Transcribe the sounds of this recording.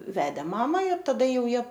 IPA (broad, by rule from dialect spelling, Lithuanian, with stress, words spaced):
ˈʋʲæːdʲeː ˈmɑːmɐ ɪr tɐˈdɐ ˈjɛʊ ˈjiɛ